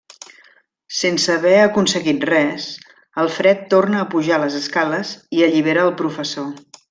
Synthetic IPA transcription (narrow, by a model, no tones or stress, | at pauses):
sensəβɛəkunsəɣit̪rɛz | əlˠfɾɛt̪ːornəːpuʒaləzəskaləziəʎiβ̞eɾəːlˠpɾufəso